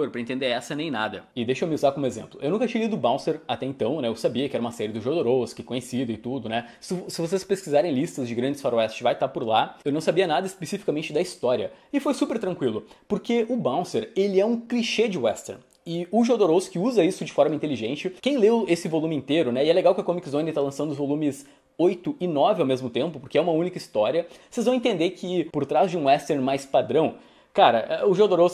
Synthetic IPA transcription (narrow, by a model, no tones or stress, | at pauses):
oɾpɾɐẽnt̪ẽnd̪eɾɛsɐnẽj̃nad̪ɐɪd̪ejʃʊewmɪuzakõmʊezḛ̃mplʊʔewnũkɐt͡ʃĩɐlid̪ʊbãw̃st̪eɾat̪ɛẽnt̪ɐ̃w̃nɛewsabiɐkɪɛɾɐũmɐsɛɾɪd̪ʊʒod̪oɾowskɪkõɲesid̪ʊɪt̪ud̪ʊnɛsɪsɪvos̬espeskizaɾẽj̃list̪ɐzd͡ʒɪɡɾɐ̃nd͡ʒɪsfaɾoɛst͡ʃɪvajt̪apoɾlaewnɐ̃w̃sabiɐnad̪ɐɪspesifi̥kamẽnt͡ʃɪd̪ɐist̪ɔɾiɐɪfojsupeɾt̪ɾɐ̃ŋkwilʊpoɾkeʊbãw̃seɾelɪɛũkliʃed͡ʒɪwɛst̪ɛ̰ɾn | ɪʊʒod̪oɾoskɪuzɐisʊd͡ʒɪfɔɾmɐĩnt̪eliʒẽnt͡ʃɪkẽj̃lewesɪvolũmɪĩnt̪eɾʊnɛɪɛleɡawkɪɐkõmikzõnẽt̪alɐ̃sɐ̃nd̪ʊzvolũmɪs | ojt̪ʊɪnɔvɪawmezmʊt̪ẽmpʊpoɾkeɛũmɐũnikɐist̪ɔɾiɐsezvɐ̃w̃ẽt̪ẽnd̪ekʰɪpoɾt̪ɾazd͡ʒɪũwɛst̪eɾnmajspad̪ɾɐ̃w̃ | kaɾɐʔɛʊʒod̪oɾos